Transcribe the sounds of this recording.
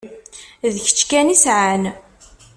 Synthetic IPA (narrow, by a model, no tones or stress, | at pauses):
ðçə̥t͡ʃːkænisʕan